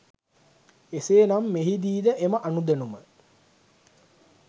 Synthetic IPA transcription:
eseːnamːeɦid̪iːd̪əʔeməʔanud̪enumə

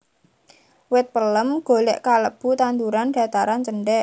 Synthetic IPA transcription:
wɪt̪̚pələmɡ̥o̤lɛʔkaləb̥ṳt̪and̪uɾanɖ̥ä̤t̪aɾant͡ʃəɳɖɛʔ

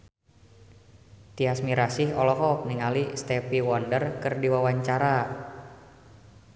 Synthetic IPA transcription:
t̪iasmiɾasɪhɔlɔɦɔk̚niŋalist̪ɛpiwɔndərkɨrdiwawaɲt͡ʃaɾa

